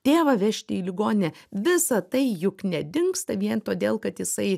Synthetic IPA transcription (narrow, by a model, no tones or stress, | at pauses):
t̪ʲeːʋɐʋʲɛʃʲt̪ʲɪiːlʲɪɡoːnʲɪnʲɛʋʲɪsɐt̪ɐɪjʊknʲɛd̪ʲɪŋkst̪ɐʋʲiɛnt̪oːd̪ʲeːlˠkɐt̪jɪsɐɪ